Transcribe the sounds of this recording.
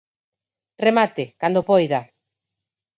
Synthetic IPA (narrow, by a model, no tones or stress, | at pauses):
remat̪ɪkand̪opɔjða